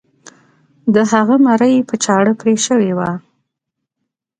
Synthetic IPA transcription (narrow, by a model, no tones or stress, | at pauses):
d̪əhaɣəmaɾəjpət͡ʃɑɽəpɾeʃəwewa